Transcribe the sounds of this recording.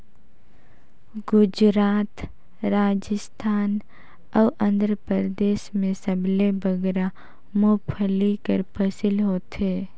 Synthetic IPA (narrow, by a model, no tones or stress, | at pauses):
ɡʊd͡ʒɾaːt̪ | ɾaːd͡ʒəst̪ʰaːn | ɔːʔə̃nd̪ɾəpəɾd̪eːʃmẽsəblebəɡɾa | moːpʰəlikəɾpʰəsɪlɦoːt̪ɦeː